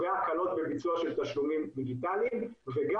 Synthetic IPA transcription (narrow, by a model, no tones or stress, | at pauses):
eakalo̞t̪̚be̞bit͡suaʃe̞lt̪aʃlumimːeɡit̪alimveɡa